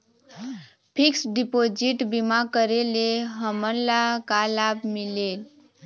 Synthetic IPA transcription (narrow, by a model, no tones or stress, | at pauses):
pʰiksɖipod͡ʒiʈbimakəɾeleɦəməɾlakalabmilel